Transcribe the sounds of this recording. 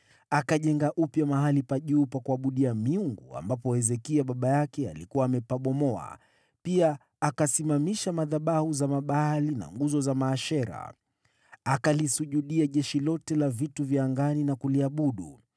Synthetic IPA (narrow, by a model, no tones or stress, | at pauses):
akaʄɛŋɡaʔupjamaɦalipaʄuːpakuaɓuɗiamiuŋɡua̰mbapɔɛzɛkiaɓaɓajakɛa̰likuwaːmɛpaɓɔmɔa̰ | piaː | kasimamiʃamaðaɓahuzamaɓalina̰ŋɡuzɔzamaːʃɛɾa̰ | akalisuʄuɗiaʄɛʃilɔtɛlavituvjaaŋɡaninakuliaɓuɗṵ